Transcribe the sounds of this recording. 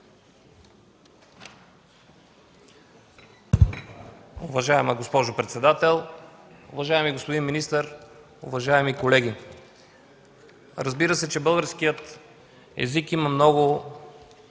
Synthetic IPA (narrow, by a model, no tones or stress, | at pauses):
ʊvɐʒaɛməɡospɔʒʊpɾɛt̪sɛd̪at̪ɛlˠ | ʊvɐʒaɛmiɡospʊd̪inminist̪əɾ | ʊvɐʒaɛmikolɛɡʲi | ɾəzbiɾəsɛt͡ʃɛbɤlˠɡəɾskijət̪ | ɛ̰zikimɐmnɔɡʊ